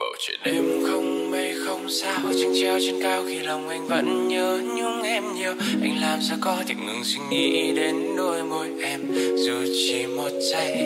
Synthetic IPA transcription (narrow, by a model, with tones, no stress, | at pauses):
ɓə˧˨˩t͡ɕḭ˧˩˨nʔe˧mxə˧wŋ͡mme˨˩jxə˧wŋ͡msaː˧wt͡ɕɨ˧˦ŋt͡ɕi˧əwt͡ɕe˧nkaː˧˩wxi˧lə˧˩wŋ͡mʔa˧˩jŋ̟və̰˧˥nɲəː˧ɲɨ˧ŋ͡mʔɛ˧mɲi˧˩əwʔa˧jŋ̟laː˧nza˧kɔ˧t̪ʰḭ˧˨ŋ̟ʔɨ̰˧əŋswi˧ŋ̟ʔḭ˧˥˧ɗe˨˧nɗo˧˩jmo˨˧˩jʔɛ˧mzu˨˩t͡ɕi˧˩mo˨˩t̚za˧˩j